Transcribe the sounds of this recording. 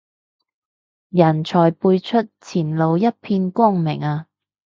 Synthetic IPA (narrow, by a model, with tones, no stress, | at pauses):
jɐ˨˩nt͡ʃʰɔː˨˩jpuː˧jt͡ʃʰɵ˥t̚t͡sʰiː˨˩nlo˨˧wjɐ˥t̚pʰiː˧nkʷɔː˥˩ŋmɪ˨˩ŋaː˧